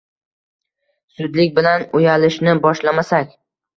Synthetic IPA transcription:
sʊd̪lɪkʲbɪlanʊjalɪʃnɪbɒʃlamasakʲ

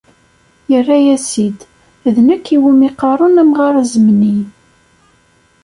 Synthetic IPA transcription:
jərːæjæsid̪ | ðnəkːiwimiqɑɾˤʊnæmʁaɾˤzəmni

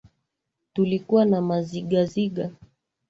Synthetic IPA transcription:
tulikuwanamaziɠaziɠa

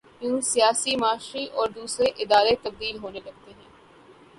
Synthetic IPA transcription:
jũːsijaːsimaːʃɾiʔɔːɾd̪uːsɾeʔɪd̪aːɾet̪ɐb̚d̪iːlɦoːnelɐɡ̚t̪eɦɛ̃ː

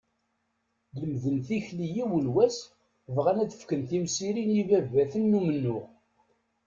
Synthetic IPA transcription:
ðəmðənθiçlijiwəlwæs | vʁænæθə̥fkənθimsiɾinivævæθənːumənːʊʁ

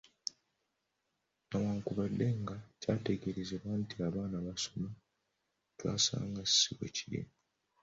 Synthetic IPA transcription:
nawaːŋkuβadːe̞ŋɡacaːte̞ɡe̞ɾezeβwantiaβaːnaβasoma | twa̰ːsa̰ːŋɡassiwwḛciɾḭma

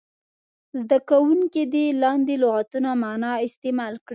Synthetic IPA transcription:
zd̪akawuŋked̪elɑnd̪eloɣat̪unamɑnɑɪst̪emɑlkɽ

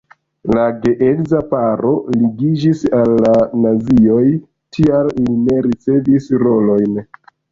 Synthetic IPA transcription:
laɡe̞ʔekzapaɾo̞liɡid͡ʒisalːanazio̞j | tʰialline̞ɾit͡se̞visɾo̞lo̞jn

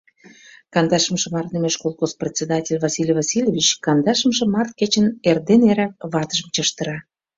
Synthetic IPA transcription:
kɑnd̪ɑʃə̆mʃə̆mɑrt̪nəmeʃkolˠxosprʲet͡sʲed̪ɑtʲelʲvɑsʲilʲvɑsʲilʲovʲit͡ɕkɑnd̪ɑʃəmʒĕmɑrt̪̚ket͡ɕənerd̪eneɾæk̚βɑt̪əʒə̆mt͡ɕəʃt̪ə̆ɾɑ

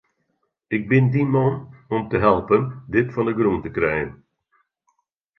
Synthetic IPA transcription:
ɪk̚bɪndimɔnɔmtəɦɛlˠpəndɪtfɔndəɡruntəkrɛjən

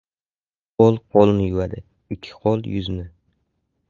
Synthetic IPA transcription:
qolˠqʰolˠnɪjʊwad̪ɪ | ɪkʲʰːɪ̥qʰolˠjʊznɪ

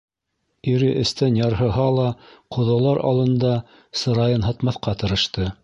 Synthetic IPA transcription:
iɾɘʔɘ̆st̪ænjɑɾɦɤ̆ɦɑlˠɑqʰŏðɑlˠɑɾʔɑ̰lˠɤ̆nd̪ɑ | sɤ̆ɾɑjɤnɦɤt̪mɑθqɑt̪ɤ̆ɾɤ̆ʃt̪ɤ

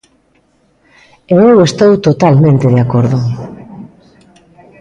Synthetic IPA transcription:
eewest̪owt̪ot̪almẽnt̪eðeakoɾðʊ

